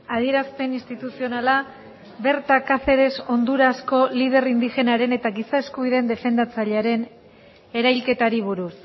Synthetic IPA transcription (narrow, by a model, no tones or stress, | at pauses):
að̞ie̞ɾaspe̞ninst̪it̪usio̞nala | βe̞ɾt̪akafe̞ɾe̞so̞nd̪uɾasko̞lið̞e̞rind̪ixe̞naɾe̞ne̞t̪aɡisaeskuβ̞ið̞e̞nd̪e̞fe̞nd̪at͡saʎeaɾe̞n | e̞ɾajlke̞t̪aɾiβ̞uɾus